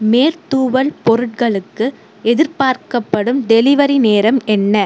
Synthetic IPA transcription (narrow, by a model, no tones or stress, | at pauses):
meːɾt̪uːʋɐɭpɔɾɯʈ̚kɐɭɯkːɯ | ɛðɪɾpaːɾkɐpːɐɽɯmd̪ɛlɪʋɐɾineːɾɐmɛnːɐ